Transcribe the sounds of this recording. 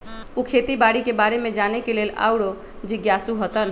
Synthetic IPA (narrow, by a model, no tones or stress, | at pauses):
ukʰet̪ibaɽikebaɾemed͡ʒanekelela̰wɽo | d͡ʒiɡjasuɦət̪ən